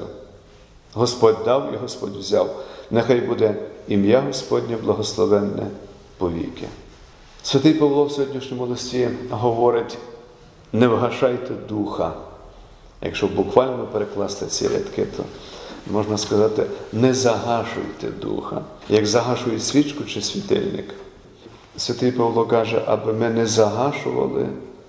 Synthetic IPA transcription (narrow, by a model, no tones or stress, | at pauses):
ɦɔspɔdʲd̪ɑwḭɦɔspɔ̰dʲwzʲawnɛxɑjbud̪ɛimjaɦɔspɔdʲnʲiblˠɐɦɔslˠɔʋɛnːɛ̰ | pɔʋʲḭkɪ̰ | sʲʋʲɐt̪ɪjpɐwlˠɔwsʲɔɦɔdʲnʲiʃnʲɔmʊlˠɔsʲtʲiɦɔʋɔɾɪtʲ | nɛwɦɐʃɑjt̪ɛd̪uxɐ | jɐ̰kʃt͡ʃɔbʊkʋɑlʲnɔpeɾeklˠɑst̪ɛt͡sʲḭɾʲɐ̰t̪kɪt̪ʰɔ̰mɔʒnɐskɐzɑt̪ɪnɛzɐɦɑʃʊ̰jt̪ɛ̰d̪ṵxɐ̰jɐɡzɐɦɑʃʊjɛsʲʋʲit͡ʃkʊt͡ʃɪsʲʋʲit̪ɪ̰lʲnɪ̰k | sʲʋʲɐt̪ɪjpɐʋlˠɔkɑʒɛʔɐ̰bɪmɪnɛzɐɦɑʃʊʋɐ̰lˠɪ̰